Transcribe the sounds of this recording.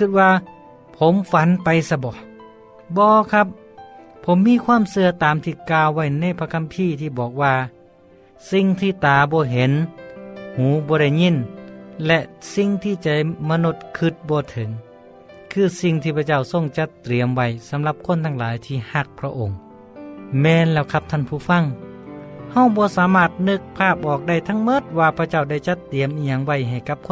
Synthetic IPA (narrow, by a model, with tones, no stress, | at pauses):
kʰɯ˧t̪̚waː˧ | pʰo˨˧˦mfa˧˦npa˧jsa˧bɔː˧˩˦ | bɔː˧kʰa˧˥p̚ʰ | o˨˦mːiː˧˥˨kʰwaː˧˥˨msɯ˧ɐt̪aː˨˦mt̪ʰiː˧˩kaː˧wːa˧˩jna˧˥˨jpʰa˧kʰa˧˨mpʰiː˧˥˨t̪ʰiː˧˩bɔː˨˩k̚waː˧ | si˧ŋt̪ʰiː˧˩t̪aː˨˩bɔː˧˦ɦe˨˦n | huː˨˦bɔː˧ɾa˧˥˩jɲi˧˥˨nlɛ˧ʔsi˧ŋt̪ʰiː˧˩t͡ɕa˧˩ma˧nu˧˩t̪̚kʰɯ˧˩t̪̚bɔː˧t̪ʰɤ˨˦ŋ | kʰɯː˧˥˩si˧ŋt̪ʰiː˧˩pʰa˧t͡ɕa˧˥˩wso˧˨ŋt͡ɕa˧˦t̪ɾi˨˦əmwa˧˩jsa˨˦mla˧p̚kʰo˧˥˨nt̪ʰa˧ŋlaː˨˦jt̪ʰiː˧˩ha˧˥k̚pʰɾa˧ʔo˨˧˩ŋ | mɛː˧nlɛː˧˩wkʰa˧˥p̚t̪ʰa˧˥˨npʰuː˧˩fa˧˩˨ŋ | ha˧˩wbɔː˧˦saː˨˦maː˧˩t̪̚nɯ˧k̚pʰaː˧˩p̚ʔɔː˨˩k̚da˧˥˩jt̪ʰa˧˥˨ŋmo˧˥t̪̚waː˧pʰa˧t͡ɕa˥˩wda˧˩jt͡ɕa˧˦t̪ːi˨əmʔiː˧ɲa˧˦ŋwa˧˩jɦa˨˩jka˧˥p̚kʰo˧˨